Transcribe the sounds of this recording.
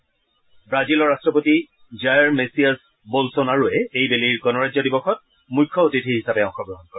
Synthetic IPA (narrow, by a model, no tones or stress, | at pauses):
bɹazilɔɹastɹɔpoti | zajɹmesias | bolsɔnaɹuɛejbeliɹɡɔnɔɹazɔdibɔxɔt̚ | mujkʰːɔotitʰiɦisapɛɔ̃ŋxɔɡɹɔɦɔnkɔɹɛ